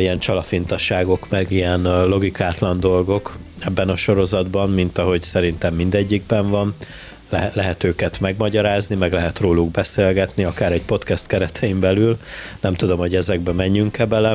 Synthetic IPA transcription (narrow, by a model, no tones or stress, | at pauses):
ijɛnt͡ʃɒlɒfint̪ɒʃaːɡo̞kmɛɡijɛnlo̞ɡikaːt̪lɒnd̪o̞lɡo̞k | ɛbːɛnɒʃo̞ɾo̞zɒd̪bɒmmint̪ɒɦo̞ɟsɛɾin̪t̪ɛmːind̪ɛɟːiɡbɛɱvɒn | lɛɦɛt̪øːkɛt̪mɛɡmɒɟɒɾaːznimɛɡlɛɦɛt̪roːluɡbɛseːlɡɛt̪niɒkaːɾɛɟpo̞t̪kɛst̪kɛɾɛt̪ʰɛjimbɛlylnɛmt̪ud̪o̞mho̞ɟɛzɛɡ̚bɛmɛɲːyŋkɛbɛlɛ